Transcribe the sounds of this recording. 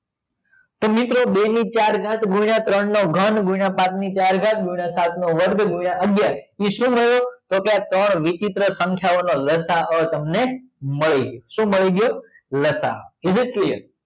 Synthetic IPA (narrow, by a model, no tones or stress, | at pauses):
t̪omɪt̪ɾoɓenit͡ʃaɾɡʱãt̪ɡʱuiɳat̪ɾəɳnoɡʱənɡʱuiɳãpãt̪nit͡ʃaɾɡʱãt̪̚ɡuɽ̃asat̪ʰnoʋəɾd̪ʱɡʱujɽaəɡjaiʃũːməɭjot̪okeat̪əɳʋit͡ʃɪt̪ɾəsəŋkʰjaʋonoləsaət̪əmne | məɭiɡjoʃũːməɭiɡjo | ləsa̰kɪd͡ʒit̪liə